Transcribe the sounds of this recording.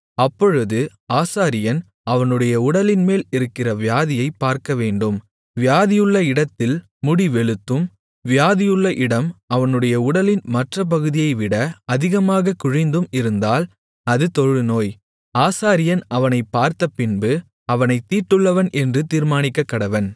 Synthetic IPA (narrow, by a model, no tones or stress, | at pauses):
ɐpːɔɻɯðɯ | aːsaːɾɪjɐn | ɐʋɐnɯɽɐjɐʊɽɐlɪnmeːlɪɾɯkːɪrɐʋjaːðɪjɐɪpːaːɾkɐʋeːɳɖɯm | ʋɪjaːðɪjɯɭːɐɪɽɐt̪ːɪl | mʊɽiʋɛɭɯt̪ːɯm | ʋɪjaːðɪjɯɭːɐʔɪɽɐmɐʋɐnɯɽɐjɐʊɽɐlɪnmɐʈrɐp̬ɐɣɯðɪjɐɪʋɪɽɐɐðɪɣɐmaːɣɐkʊɻɪnd̪ɯmɪɾɯnd̪aːl | ɐðɯt̪ɔɻɯnoːj | aːsaːɾɪjɐnɐʋɐnɐɪpːaːɾt̪ɐpːɪnbɯ | ɐʋɐnɐɪt̪ːiːʈːɯɭːɐʋɐnʔɛndrɯt̪iːɾmaːnɪkːɐkːɐɽɐʋɐn